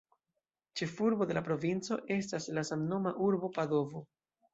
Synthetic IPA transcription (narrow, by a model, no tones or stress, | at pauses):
t͡ʃe̞fuɾbo̞de̞lapɾo̞vint͡so̞ʔe̞s̬taslasamno̞maʔuɾbo̞pado̞vo̞